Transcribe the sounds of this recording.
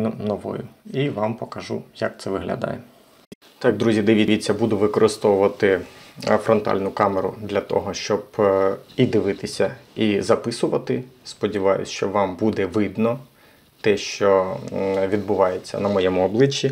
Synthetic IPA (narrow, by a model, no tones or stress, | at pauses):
nɔʋɔ̰jʊiʋɑmpɔkɐʒujɐk̚t̪sɛʋɪɦlʲɐ̰d̪ɑ̰jɛ | t̪ɑjɐɡ̚d̪ɾuzʲid̪ɪʋʲiʋʲit͡sʲːɐbud̪ʊʋɪkɔɾɪst̪ɔʋʊʋɐt̪ɪfɾɔnt̪ɑ̰lʲnʊkɑmeɾʊ̰d̪lʲɐt̪ɔ̰ɦɔʃt͡ʃɔb | id̪ɪʋɪt̪ɪsʲɐizɐpɪsʊʋɐt̪ɪspɔdʲiʋɑjʊ̰sʲt͡ʃɔʋɑmbud̪ɛʋɪd̪nɔ | t̪ɛʃt͡ʃɔ | ʋʲid̪bʊʋɑjet͡sʲːɐ̰nɐmɔjɛmʊɔblˠɪt͡ʃʲːi